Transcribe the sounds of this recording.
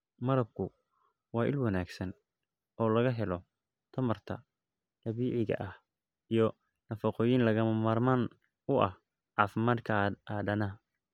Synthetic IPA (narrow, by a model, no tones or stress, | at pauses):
mɐɾɐb̚kʰʊ | wɑːʔɪlwɑnaːɡsɐn | ɔːlɐɣɐɦɛlɔ | t̪ʰɐmɐrt̪ʰɐ̰ | r̥ɐβiːʕɪɣɐ̰ʔɐh | ijɞ | nɐfɐqɔːjiːnlɐɣɐmɐmaːrmaːn | ʊʔɐ̰h | ʕɑːfɪmaːd̪kʰɐaːd̪ɐnɐ